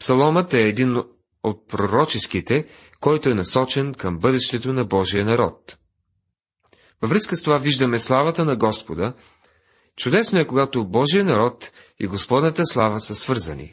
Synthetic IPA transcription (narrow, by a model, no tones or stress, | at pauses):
psɐlˠɔmət̪ɛːd̪in | ot̪̚pɾoɾɔt͡ʃɛskit̪ɛ | kɔjt̪oɛnɐsɔt͡ʃɛnkəmbɤd̪ɛʃt̪ɛt̪onɐbɔʒijənɐɾɔt̪ | vɐvɾəskəst̪ovaviʒd̪əmɛslˠavət̪ənɐɡɔspod̪ə | t͡ʃʊd̪ɛsnoɛkoɡat̪obɔʒijənɐɾɔt̪ | ḭɡospɔd̪nət̪əslˠavəsəsvɤɾzɐ̰nḭ